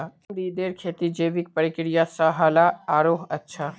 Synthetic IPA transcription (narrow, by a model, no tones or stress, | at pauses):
amɾid̪eːɾkʰeːt̪id͡ʒeːʋik̚pəɾɪkɾijasaɦaːlaaːɾoːɦɐtːʃʰaː